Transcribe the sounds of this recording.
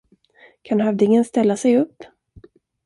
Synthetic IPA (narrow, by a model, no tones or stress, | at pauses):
kʰanɦavd̪ɪŋənst̪ɛlːasɛjɵpː